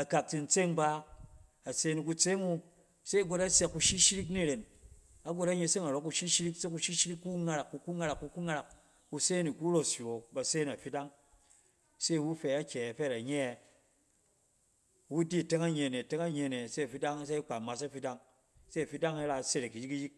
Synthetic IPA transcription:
a˨ka˨k̚ti˧n̩˦t͡se˦ŋba˦ | a˨se˧˦ni˧k̬u˧t͡se˦ŋu˧ | se˦i˨˦ɡo˧ta˦se˧kːu˧ʃi˦ʃi˦ɾi˦k̬ni˦˨ɾe˨n | a˦ɡo˧ta˦ɲe˧se˦ŋa˨ɾo˦ku˧ʃi˦ʃi˦ɾi˦kse˦ku˧ʃi˦ʃi˦ɾi˦kːu˦ŋa˧ɾa˨kːu˧ku˦ŋa˧ɾa˨kːu˧ku˦ŋa˦ɾa˨k̚ː | u˧se˦ni˨ku˦ɾo˦sjo˨ba˨se˦n˨a˨fi˦da˦ŋ | se˦˨wu˦fɛ˧a˦kʲe˨fɛ˦˨ɾa˨ɲe˦˨ | wu˦di˦˨te˦ŋa˦ɲe˨ne˨te˦ŋa˦ɲe˧˨ne˨se˦a˨fi˦da˦ŋ˦s̬e˦i˦k͡pa˨ma˨sa˦fi˦da˦ŋ | se˦a˨fi˦da˦ŋa˦ɾa˧˨se˦ɾe˨ki˨ji˦ki˦ji˦k̚

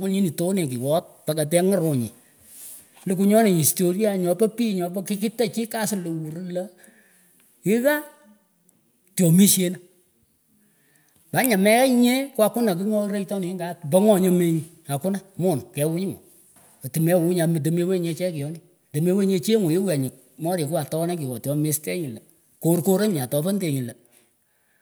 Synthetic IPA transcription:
kʊ˦lɲi˦ni˨to˦ne˨ki˨wɔ˦t̚pa˨ka˨t̬ɛ˦ŋɨ˦ɾo˨ɲḭ˨ | lu˨ku˧ɲɔ˦nɪ˨i˨sto˨ɾja˨ɲɔ˨pɔ˦piː˦ɲɔ˨bɔ˦kɪ˦kɪ˦ta˦t͡ʃi˦ka˦sɪ˦lo˨wu˨ɾla˦ | ɪ˦ɣa˦ | tjɔ˨mi˦ʃe˦na˦ | ba˨˦ɲa˨mɛ˦ɛ˦ɲe˦ko˦a˦kʊ˦na˨ki˦ŋɔ˦ɾe˦jtɔ˦ni˨ɪ˦ŋɡa˦bɔ˦ŋɔ˨ɲo˦me˦ɲi˨ | a˨kʊ˦na˦mo˦˨nkɛ˨˦wu˦ɲɪ˦ŋɔ˨ | o˨ti˨mɛ˦˨wu˦ɲa˨m˨t̬e˨me˦we˦˨ɲe˧t͡ʃɛ˦kɪ˨ɔ˦ni˦˨te˨me˦we˦ɲe˧t͡ʃe˦ŋo˨ɪ˦wɛ˨ɲɪ˨k̚ | mɔ˦ɾe˨kʊ˦a˨tɔ˦na˦kɪ˨wɔ˨tjɔ˨me˨˦stɛ˦ɲɪ˨lɐ˨ | ko˦rko˦ɾe˦ɲ˨a˨tɔ˨pɔ˦nde˨ɲɪ˨lɐ˨

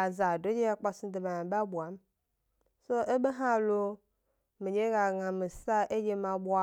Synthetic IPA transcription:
a˨za˨do˨˦e˦ja˦k͡pa˨su˦de˨ba˨ã˨ba˦bu˨a˨˦m˦ | so˦e˦be˦ɦã˦˨lo˦ | mi˨d͡ʒe˦ɣa˨ŋã˨me˨sa˦ʔe˦je˦mã˨bu˦a˦

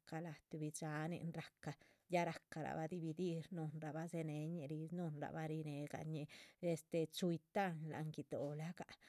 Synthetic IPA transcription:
ka˧la˨t̪u˧bi˧t͡ʃa˨˦nḭ˧nɾa˨ka˨ja˦ɾa˨˧kːa˨ɾa̰˨ba˧d̪i˧bi˧d̪i˦ɾnu˧nɾa˨ba˦ze˧ne˧˦ɲe˧ɾi˧nu˧nɾa̰˨ba˦ɾi˧ne˨ɡa̰˨ɲe˧e˧st̪e˧˨t͡ʃu˧jt̪a˦˧nla̰˨ŋɡi˧d̪o˨la˦ka˨

